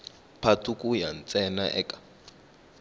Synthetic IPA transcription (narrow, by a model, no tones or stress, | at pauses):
pʰatʰukʼujan̩t͡sʼɛnaʔɛ̰kʼḁ